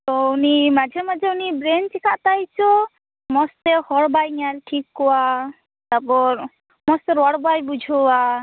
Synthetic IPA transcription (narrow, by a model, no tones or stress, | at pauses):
t̪ɔunimad͡ʒʱɔmad͡ʒeunibɾent͡ʃikʰat̪ajt͡ʃʰɔ | mɔst̪ehɔɽbajaɾeʈʰikɦua | t̪apɔɾ | mɔst̪eɾɔɽbajbud͡ʒʱɔa